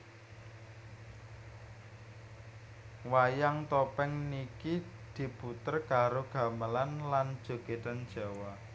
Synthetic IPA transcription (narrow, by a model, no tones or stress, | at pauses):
wajaŋt̪ɔpɛŋnikid̪̥i̤put̪ərkaɾoɡ̥a̤məlanland̥ʒ̥o̤ɡ̥et̪an̥ʒ̥a̤wa